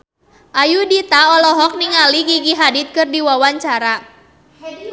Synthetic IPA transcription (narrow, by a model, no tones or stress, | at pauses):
ʔajudit̪aɔlɔɦɔk̚niŋaliɡiɡiɦadit̪̚kɨrdiwawaɲt͡ʃaɾa